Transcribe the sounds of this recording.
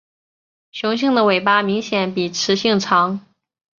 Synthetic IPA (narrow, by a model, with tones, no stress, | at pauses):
ɕʊ˧˥ŋɕ̬i˥˩ŋd̪ə˩we˨˩ɪpa˥mi˧˥ŋɕjɛ˧˩˦npi˨˩ʈ͡ʂʰɻ̩˧˥ɕi˥˩ŋʈ͡ʂʰɑ˧˥ŋ